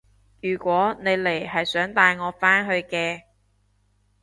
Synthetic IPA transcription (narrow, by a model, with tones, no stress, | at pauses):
jyː˨˩kʷwɔː˨˥ne˨˧jle˨˩jhɐ˨jsœː˨˥ŋt̪aː˧jŋɔː˨˧faː˥nɦɵ˧ɥkɛː˧